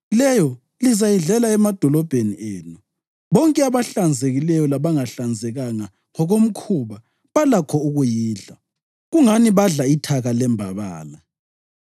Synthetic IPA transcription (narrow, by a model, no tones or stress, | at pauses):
lɛjɔ | lizajiɮɛlaɛmad̥ʱɔlɔb̥ʱeniʔeːnu | βɔŋkʼɛaβaɬand͡zʱeɣilɛjɔlaβaŋaɬand͡zʱɛɣaŋa | ŋɔɣom̩kʰuβa | βalakʰɔuɣujiːɮa | ɣuŋaniβaɮaitʰaɣalɛmbʱaβa̰ːna